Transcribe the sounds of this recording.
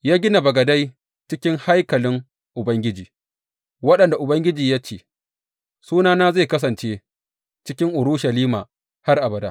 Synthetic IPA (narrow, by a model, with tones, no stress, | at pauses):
jaː˦ɡʲɪ˦na˨bɐ˨ɡɐ˨da˦j | t͡ʃɪ˦kʲɪ˦ŋha˦jkɐ˨lɪ˦ŋ | ʔʊ˨bɐ˦ŋɡʲɪ˦d͡ʒiː˨ | wɐ˦ɗɐ˨nda˨ʔʊ˨bɐ˦ŋɡʲɪ˦d͡ʒiː˨ja˦t͡ʃeː˦˨ | suː˦naː˦naː˦za˦˨kɐ˦s̬ɐ˨nt͡ʃe˦ | t͡ʃɪ˦kʲɪ˦ŋʔʊ˨ɾʊ˦ʃɐ˨liː˦maː˨ | ha˦rʔa˨bɐ˨daː˦